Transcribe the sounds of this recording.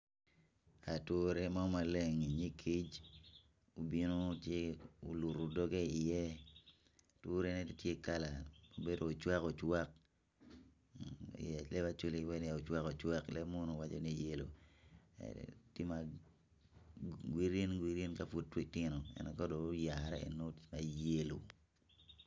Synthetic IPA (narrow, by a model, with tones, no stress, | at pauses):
a˨tʊ˦ɾe˦ma˦ma˨le˦˨ŋi˨ɲi˦kʰi˦d͡ʒ | o˨bi˦no˦tje˦o̰˨lu˨ɾo˨dɔ˦ɡe˦i˨jɛ˦ | to˦ɾe˦nɛ˦ttje˦ka˦la˨mo˨be˦doː˨t͡ʃwa˦ko˨t͡ʃwa˦k̚ | a˨lɛ˦ba˦t͡ʃo˦li˦wɛ˦n˦ja˨o˨t͡ʃwa˦ko˨t͡ʃwa˦klɛ˦mo˦no˨wa˦t͡ʃo˦ni˦je˦lo̰˨ɛ̰ti˦ma˨ | ɡwi˦ɾe˦nɡwi˦ɾi˦nka˨fu˦tːwi˦tɪ˦no˨ɛ̰˨nɛ˨kɔ˦do˨˦ja˨ɾɛ˦ḛ˨no˦tma˨je˦lo˨